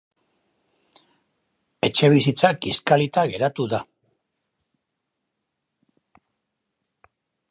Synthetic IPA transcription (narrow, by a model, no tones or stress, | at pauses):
e̞t͡ʃe̞β̞isit͡sakiskalit̪aɣe̞ɾat̪uða